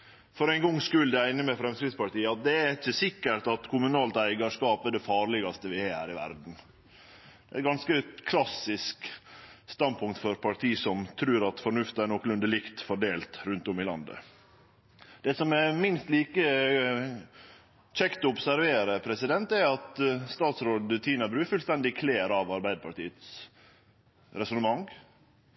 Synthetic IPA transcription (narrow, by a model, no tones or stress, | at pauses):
fɔɾæɪŋɡɔŋskʉld̪ɛæɪnːəmɛfɾɛmskɾɪd̪spɑʈiːəɑt̪̚d̪ɛæɪt͡ʃːəsɪkːəʈɑt̪kʰʊmʉnɑːlt̪æɪɡɑʂkɑːpəd̪ɛfɑːɾɭɪɡɑst̪əʋɪhɛːhæ̰ːɾɪʋæ̰ɾd̪n̩ | d̪ɛ̰ɪt̪̚ɡɑnskəkʰlɑsɪskst̪ɑnd̪̚pʰʊŋkt̪fɔɾpʰɑʈʰiːsɔmt̪ʰɾʉːɾɑt̪fɔɾɳʉft̪əæɳnɔkːlʉnd̪əlɪkt̪fɔɖeːlt̪ɾʉnt̪ɔmɪlɑ̰nd̪ə̰ | d̪̥ɛːsɔmɛmɪnst̪liːkə | t͡ʃɛkt̪ɔʊbsæɾʋeːɾəpʰɾɛsɪd̪ɛnt̪æɾɑt̪st̪ɑːt̪sɾoːd̪t̪ʰiːnɑbɾʉːfʉlst̪ɛnd̪ɪkʰleːɾɑʋɑɾbæɪd̪əpʰɑʈiːət̪s | ɾɛsɔnəmɑŋ